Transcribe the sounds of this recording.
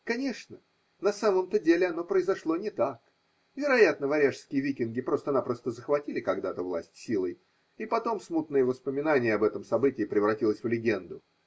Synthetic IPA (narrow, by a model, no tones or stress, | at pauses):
kɐnʲe̞ʂnə | nɐsaməmt̪ədʲelʲɪɐno̞pɾəɪzɐʂlˠo̞nʲɪt̪ak | vʲɪɾɐjat̪nəvɐɾʲaʂskʲɪjəvʲikʲɪnɡʲɪpɾo̞st̪əɐnapɾo̞st̪əzəxvɐtʲilʲɪkɐɡd̪at̪əvlˠa̰sʲtʲsʲilˠəj | ipɐt̪o̞msmut̪nɨjəvəspəmʲɪnanʲɪjəɐbɛt̪əmsɐbɨtʲɪːpɾʲɪvɾɐtʲilˠəsʲvlʲɪɡʲe̞nd̪ʊ